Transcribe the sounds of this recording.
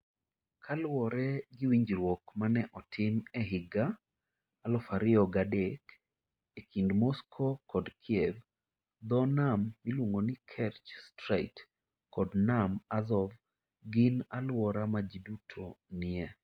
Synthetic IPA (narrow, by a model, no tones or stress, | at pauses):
kʰalwɔɾɛɡɪwiɲd͡ʒɾwɔkmanɛʔɔtʰɪmɛɦɪɡaː | lɔfaɾɪɔɡadek | ekindmɔskʰokɔdkʰjɛv | d̪ɔnamːilwoŋonɪkʰɛrt͡ʃstɾaɪt | kɔdnamazɔv | ɡɪnalwɔɾamad͡ʒidutʰonɪɛ